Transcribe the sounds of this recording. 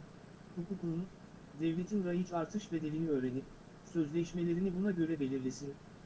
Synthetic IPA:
kukʰukunun | d̪ɛvlʲe̞t̪ʰinɾajit͡ʃaɾt̪ʰɯʃved̪e̞lʲiniø̞ːɾe̞nip̚ | sø̞zlʲeʃme̞lʲe̞ɾinibunaɟø̞ɾɛbe̞lʲiɾlʲesin

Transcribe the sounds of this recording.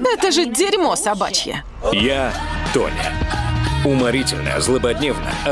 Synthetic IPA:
ɛt̪əʐɨdʲɪɾʲmosɐba̰t͡ɕjə̰ | jat̪o̰nʲə̰ | ʊmɐɾʲitʲɪlʲnə̰jə̰zlˠəbɐdʲnʲevnə̰jə̰ɐ

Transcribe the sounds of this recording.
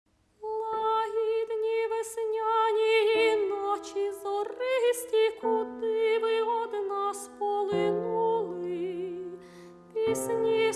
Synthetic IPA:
lˠɐɑɦʲid̪nʲiʋesnʲɑnʲiinɔt͡ʃizɔrɪɦisʲtʲikɔd̪ɪʋɪɔd̪nɑspɔlˠɪnulˠɪ | pʲisʲnʲi

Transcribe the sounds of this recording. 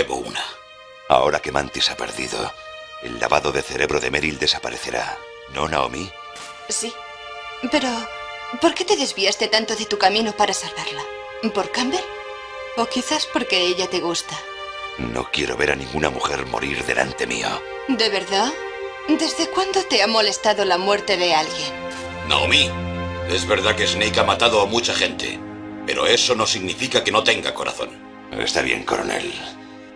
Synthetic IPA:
eβouna | a̰o̞ɾake̞mãnt̪isapeɾðḭðo̞̰e̞̰lːa̰βaðo̞ðe̞θe̞ɾe̞βɾo̞ðe̞meɾild̪e̞sapaɾe̞θe̞ɾa̰ | nonao̰mi | si | pe̞ɾo̞po̞ɾke̞t̪e̞ðe̞zβiast̪e̞t̪ant̪o̞ðe̞t̪ukamĩnopaɾasalβaɾla | po̞ɾkambel | o̞kiθaspo̞ɾke̞eʎat̪e̞ɣust̪a | no̞̰kje̞ɾo̞βe̞ɾanĩŋɡunamuxeɾmo̞ɾiɾðe̞̰lʔa̰nt̪e̞mḭo | d̪e̞βe̞ɾða | d̪e̞zðe̞kwand̪ot̪e̞amo̞le̞st̪aðolamwe̞ɾt̪e̞ðe̞alɣje̞n | no̰mie̞zβe̞ɾðakesnejkamat̪aðoamut͡ʃaxe̞nt̪e̞̰pe̞ɾo̞̰e̞so̞no̞siɣnifikake̞no̞t̪e̞ŋɡa̰ko̞ɾʔa̰θo̞̰n | ḛst̪aβje̞̰ŋko̞ɾone̞̰l

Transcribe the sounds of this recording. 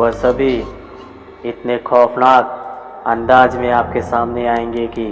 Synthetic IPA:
ʋəsɐbʱi | ɪt̪nekʰɔːfnaːt̪̚ | ɐ̃nd̪aːd͡ʒmẽaːp̚kesaːmneaːẽːŋɡeki

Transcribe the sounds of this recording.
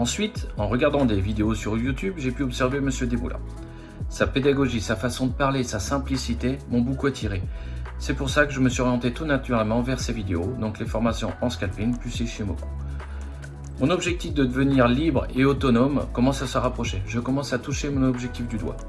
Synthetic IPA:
ɑ̃sɥit̪ɑ̃ʁəɡaʁd̪ɑ̃d̪evid̪eosyʁjut̪ybʒepyɔpsɛʁveməsjød̪ebṵlã̰ | saped̪aɡɔʒisafasɔ̃d̪əpaʁlesasɛ̃plisit̪emɔ̃bukuɛt̪ʰiʁesɛpuʁsakəʒəməsɥiɔʁjɑ̃t̪et̪unat̪yʁɛlmɑ̃vɛʁsevid̪eod̪ɔ̃klefɔʁmasjɔ̃ɑ̃skalpiŋplyseʃemɔ̰ku̥ | mɔ̃nɔbʒɛk̚t̪ifd̪əd̪əvəniʁlibʁeot̪ɔnɔmkɔmɑ̃sasəʁapχɔʃeʒəkɔmɑ̃sat̪uʃemɔ̃nɔbʒɛk̚t̪ifd̪yd̪wa̰

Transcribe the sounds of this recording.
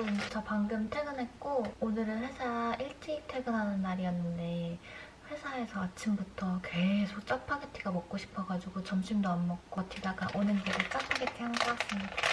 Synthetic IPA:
nut͡ɕʰʌpaŋɡɯmtʰwe̞ɡɯnɦe̞k̚k͈oonɯɾɯnhwe̞sʰaʔiɭt͡ɕ͈iːk̚tʰwe̞ɡɯnɦanɯnːaɾiʌnːɯnde̞ | ɸwe̞sʰae̞sʰʌat͡ɕʰimbutʰʌke̞sʰok̚t͡ɕ͈apʰaɡetʰiɡamʌk̚k͈oɕʰi̥pʰʌɡad͡ʑuɡot͡ɕʌmɕʰimdʌmːʌk̚k͈otʰidaɡaʔonɯnɡiɾɯt͡ɕ͈apʰaɡetʰihanɡʌk͈as͈ɯmɲid̥a

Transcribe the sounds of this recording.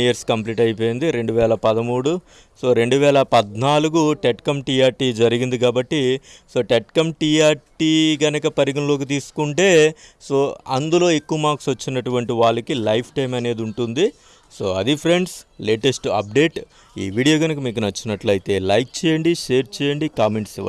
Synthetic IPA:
ijɐɾskɐmpliːʈɐjip̬o̞ːjind̪iɾe̞ɳɖuʋɛːlɐpɐd̪ɐmuːɽu | so̞ːɾe̞ɳɖuʋɛːlɐpɐd̪naːluɡuʈeʈkɐmʈiːaːɾʈiːd͡ʒɐɾiɡind̪ik̬aːbɐʈːiso̞ːʈeʈkɐmʈiaːɾʈiːɡɐnɐkɐpɐɾiɡɐnɐlo̞ːk̬it̪̬iːsu̥kuɳʈe̞ːso̞ːɐnd̪ulo̞ːekːuʋɐmaːksʋɐt͡ʃːinɐʈuʋɐɳʈiʋaːɭːɐkilɐjpʰʈɐjmɐne̞ːd̪iuɳʈund̪i | soːɐ̰d̪ipʰɾe̞ɳɖsleːʈesʈɐ̰p̚ɖe̞ːʈ | ḭːʋiːɽijoːɡɐnɐkɐmiːk̬unɐt͡ʃːinɐʈlɐjit̪e̞ːlɐjk̚t͡ʃɛːjɐɳɖiʂeːɾt͡ʃɛːjɐɳɖikaːme̞ɳʈsiʋa̰

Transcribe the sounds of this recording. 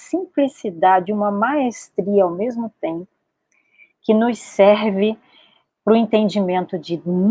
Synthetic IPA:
sĩmplisid̪ad͡ʒɪũmɐmaest̪ɾiɐawmezmʊt̪ẽmpʊ̥ | kɪnʊssɛɾvɪ | pɾʊẽnt̪ẽnd͡ʒimẽnt̪ʊd͡ʒɪn

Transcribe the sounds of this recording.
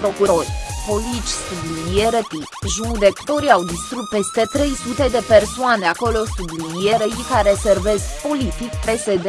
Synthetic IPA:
pɾo̞kuɾo̞rʲpo̞lit͡ʃʲsublinijeɾət̪i | ʒud̪ekt̪o̞ɾiawd̪ist̪ɾut̪̚pe̞st̪e̞t̪ɾe̞jsut̪e̞d̪e̞persoaneako̞lo̞sublinijeɾeikaɾeserve̞skpo̞lit̪ikpe̞sed̪e

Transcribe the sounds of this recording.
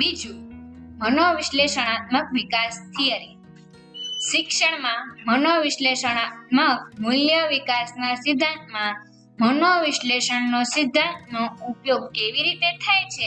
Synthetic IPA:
bid͡ʒumənoʋiʃleʃəɽ̃at̪məkʋikast̪ʰiəɾi | ʃɪkʃəɳ̃mãmənoʋiʃleʃəɽ̃at̪məkmuljəʋikasnasɪd̪ʱːãnt̪mã | mənoʋiʃleʃəɳnosɪd̪ʱːãnt̪nõupjoɡ̚keʋiɾit̪et̪ʰajt͡ʃʰe

